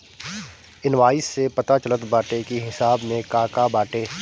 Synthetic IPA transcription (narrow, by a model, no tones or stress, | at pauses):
ɪnʋaːɪsːepɐt̪at͡ʃɐlət̪baːʈekiɦɪsaːbnẽkaːkabaːʈeː